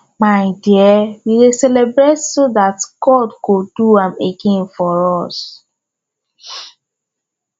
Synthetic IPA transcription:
maɪdiɛwiɾesɛlebɹetsodatɡ̥ɔdɡoduãmeɡẽnfɔɹɔs

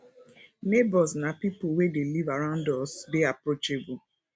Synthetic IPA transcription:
nebɔsnapipʊwedelivaɾãndɔsbeapɾot͡ʃebʊ

